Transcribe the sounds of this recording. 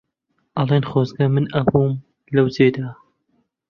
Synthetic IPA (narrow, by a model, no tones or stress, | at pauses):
ʔɐlˠenχoːzɡɐmɨnɐbuːm | lɐwzeːd̪a